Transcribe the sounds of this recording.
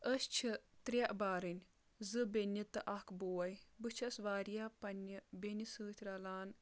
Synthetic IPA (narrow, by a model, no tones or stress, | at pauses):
əst͡ʃʰit̪ɾʲɐʔbaːɾɨnʲ | zɨbʲenʲit̪ɨʔɐkboːɐjbɨt͡ʃʰsʋaːɾjapɐnʲɨbenʲisɨːt̪ʲʰɾɐlaːn